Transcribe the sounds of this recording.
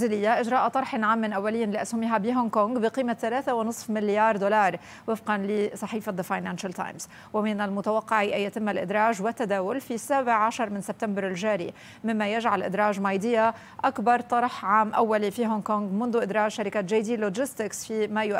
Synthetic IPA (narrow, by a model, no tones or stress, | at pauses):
zɪlɪjːaʔɪʒɾɑːʔat̪ˤɑɾˤħɪnʕaːmːɪnʔawːalɪjːanlɪʔashʊmiɦabiɦoŋkoŋɡbɪqiːmaθalaːθawɪnɨsˤfmɪljɑːɾˤd̪olɑːɾˤ | wɪfqɑnlɪsˤɑħiːfaðəfajnaːnʃalt̪a̰ːjmz | wɪmɪnalmʊt̪awɑqːɑʕiʔjːat̪ɪmːalʔɪd̪ɾˤɑːʒwɪt̪ːad̪aːwʊlfisːaːbɪʕːaʃɑɾˤmɪnsɪb̚t̪ambɪɾɪlʒaːɾḭ | mɪmːajaʒʕalʔɪ̰d̪ɾˤɑːʒmɑjd̪ɪjːa | ʔakbɑɾˤt̪ˤɑɾˤħʕaːmʔawːalifiɦonkoŋɡmʊnðʊʔɪd̪ɾˤɑːʒʃaɾɪkat̪ʒaːd̪iːloʒɪst̪ɪksfimajʊʔ